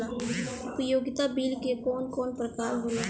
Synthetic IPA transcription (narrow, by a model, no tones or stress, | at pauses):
ʊpjoːɡɪt̪abiːlkekɔːnkɔːnpɾət̪aːɾɦoːna